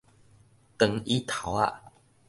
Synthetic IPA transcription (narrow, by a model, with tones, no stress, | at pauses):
t̪ə˨˩ŋi˦t̪ʰa˨˦wa̰˧